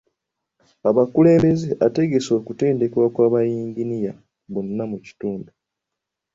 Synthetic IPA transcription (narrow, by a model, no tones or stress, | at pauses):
aβakule̞ːmbe̞zeʔate̞ɡe̞so̞ːkute̞ːnde̞kwakwaːβajiːŋɟinija | βo̞nːamuci̥tuːndu